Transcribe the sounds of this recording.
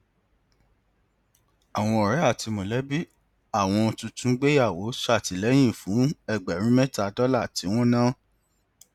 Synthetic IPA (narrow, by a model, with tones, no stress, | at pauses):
a˨w̃ɔ̃˧ɔ˨ɾɛ˨˦a˦˨ti˧mo˨lɛ˨˦bi˦ | a˦˨w̃ɔ̃˧tũ˧tũ˦ɡ͡be˦ja˦˨wo˨˦sa˦˨ti˨lɛ˨˦j̃ĩ˦˨fũ˨˦ɛ˧ɡ͡bɛ˨ɾ̃ĩ˦mɛ̃˦ta˧dɔ˦la˦˨ti˨˦w̃ɔ̃˦nãː˦